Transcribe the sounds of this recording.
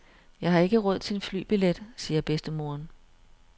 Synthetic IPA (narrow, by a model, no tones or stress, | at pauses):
jɑ̈ɪhɑ̈e̝ɡ̥əʁɔð̞̰ˠt͡sʰenfly̰ːb̥iled̥siːɐb̥esd̥əmo̝ɐn